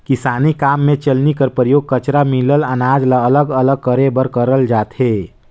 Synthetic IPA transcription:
kɪsaːnikaːmːẽt͡ʃəlnikəɾpəɾjoːɡ̚kət͡ʃɾamilələnaːd͡ʒlaələɡələɡ̚kəɾebəɾkəɾəld͡ʒaːt̪ɦe

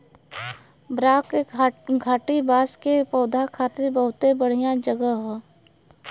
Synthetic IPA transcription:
bɾaːkɡʱaːʈibaːskepɔːd̪ʱakʰaːt̪ɪɾbəɦʊt̪ebəɽ̤ijãd͡ʒəɡəɦɛː

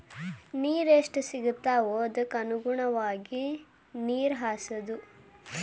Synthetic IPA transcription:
niːɾeʂʈusiɡut̪ːaːoːɐd̪ɐkːɐnuɡuɳɐʋaːɡi | niːɾɦaːsɐd̪u

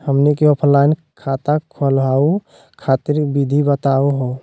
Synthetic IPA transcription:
həmnikeɔpʰə̃llaɪn | kʰat̪akʰolɦau | kʰat̪iɾbid̪ʱibət̪auɦo

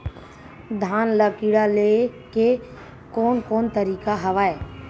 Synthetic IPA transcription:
d̪ʱaːnləkiɽaleke | koːnkoːnt̪əɾiːkaɦɐʋaːeː

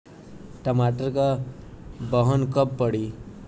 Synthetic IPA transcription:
ʈəmaʈəɾka | bəɦənkəpːəɽi

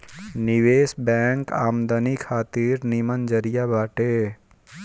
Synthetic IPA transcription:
nɪʋeːsbɛ̃ːŋkaːmd̪ənikʰaːt̪iːɾnimənd͡ʒəɾijabaːʈeː

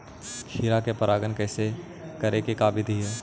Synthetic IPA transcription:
kʰiːɾakepəɾʔaːɡənkɛːse | kəɾekekaːbɪd̪ʱiɦɛː

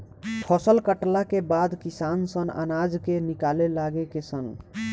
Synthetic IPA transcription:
ʈʰɔsəlkəʈlakebad̪kisansəna̰nad͡ʒkenikalelaɡekesən

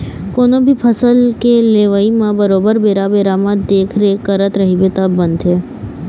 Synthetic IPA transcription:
konobʱipʰəsəlkeleʋaimãbəɾobəɾbeɾabeɾamãd̪ekʰɾekəɾət̪ɾəɦibet̪abənd̪ʰe

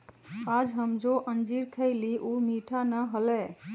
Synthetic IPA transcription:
ad͡ʒɦəmd͡ʒoʔənd͡ʒiɾkʰəɪliʔumiʈʰanəɦolɛ

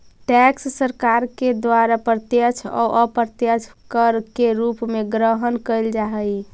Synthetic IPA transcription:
ʈɛkssəɾkaɾked̪waɾapɾət̪jət͡ʃʰɔ̰ʔəpɾt̪jət͡ʃʰkəɾkeɾupmeɡɾəɦənkəjld͡ʒaɦəj

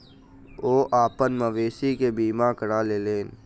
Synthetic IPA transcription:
oːʔaːpənməʋeːsikebiːmakəɽaleːleːn

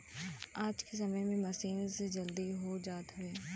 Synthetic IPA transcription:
aːd͡ʒkes̬ɐməjmẽmɐʃiːnzd͡ʒɐld̪iɦod͡ʒaːt̪ɦʊʋeː

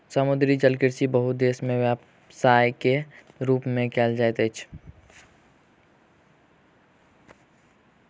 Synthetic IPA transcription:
səmʊd̪ɾid͡ʒəlkɪɾsibəɦʊt̪̚d̪eːsmẽʋjap | saːjke | ɾuːpmẽkɛːld͡ʒaet̪et͡ʃʰ

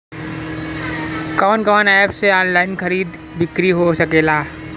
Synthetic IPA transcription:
kɔːnkɔːnaːpseɔːnlaːɪnkʰɐɾiːd̪ | bɪkɾiɦosɐkeːlaː

